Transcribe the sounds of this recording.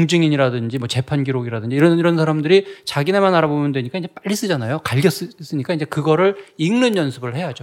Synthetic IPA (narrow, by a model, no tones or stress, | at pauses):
ŋd͡ʑɯŋiɲiɾadɯnd͡ʑimwʌt͡ɕe̞pʰanɡiɾoɡiɾadɯɲd͡ʑiːɾʌiɾʌnsʰaɾamdɯɾit͡ɕaɡinemanaɾabomjʌndwe̞ɲik͈ainɲd͡ʑe̞p͈aʎːis͈ɯd͡ʑanajokaɭɡjʌs͈ɯs͈ɯɲik͈aind͡ʑe̞kɯɡʌɾɯɭiŋnɯnjʌnsʰɯbɯɭhe̞ɦad͡ʑo